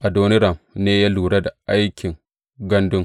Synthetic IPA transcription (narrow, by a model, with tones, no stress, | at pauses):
ʔa˨do˦nɪ˦ɾɐ˨mneː˦ja˦luː˨ɽa˦da˨ʔa˦jkʲɪ˨ŋ | ɡɐ˦ndʊ˦ŋ